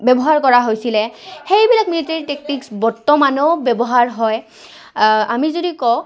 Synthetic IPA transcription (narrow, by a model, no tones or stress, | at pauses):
bɛbɔɦaɹkɔɹaɦojsilɛxejbilak̚militaɹitek̚tiksbɔɹtːɔmanoʊbɛbɔɦaɹɦɔj | amizodikɔ